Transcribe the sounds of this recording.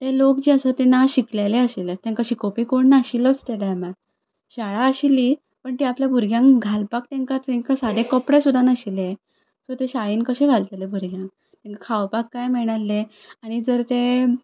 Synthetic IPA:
t̪elokd͡ʑiəsət̪enaɕiklelẽəɕilət̪ɛ̃ŋkəɕikopikoɳnaɕilət͡st̪eɽajma | ɕaɭaəɕili | pəɳt̪iapljabʱuɾɡʱjãŋkɡʱalpak̚t̪ẽŋkat̪ẽŋkasad̪ẽkəpɽesud̪ʱːanaɕile | sot̪eɕaɭiːnkəɕẽɡʱalt̪elebʱuɾɡʱjãŋk | t̪ɛ̃ŋkakʰawpakːajmɛɽ̃alːe | aɽ̃id͡zəɾt̪e

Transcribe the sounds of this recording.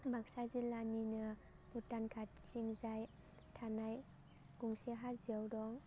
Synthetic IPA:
bak̚sazilaninɯ | putankʰatsiŋzaj | tʰanaj | ɡ̥uŋseɦaziawɾɔŋ

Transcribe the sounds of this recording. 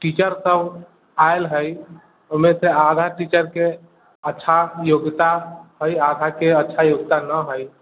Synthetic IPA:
ʈit͡ʃəɾsəb | aelɦəj | omesead̪ʱaʈit͡ʃəɾke | ətːʃʰajoɡt̪aɦəjad̪ʱakeətːʃʰajoɡ̚t̪anəɦəj

